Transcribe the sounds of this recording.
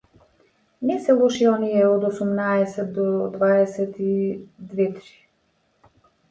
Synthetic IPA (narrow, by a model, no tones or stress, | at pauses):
nɛsɛlˠɔʃiɔnijɛɔd̪ɔsumnaɛsɛt̪̚d̪ɔd̪vaɛsɛt̪id̪vɛt̪ɾi̥